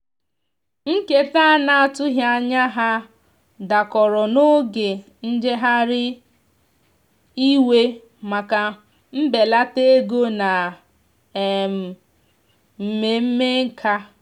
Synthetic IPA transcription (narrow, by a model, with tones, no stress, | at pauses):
ŋ̩˦ke˦ta˦˨na˦˨a˨tʊ˦ɦja˦˨ɲa˦ɦa˦ | da˨kɔ˨ɾɔ˨no˦ɡe˨ | n̩˦d͡ʒe˦ɦa˦ɾɪ˦ | i˦we˦ | ma˨ka˨ | m̩˦be˨la˦te˦ɡo˦na˨ | m̩˨ | m̩˨me˨m̩˦me˦ŋ̩˦kʰa˦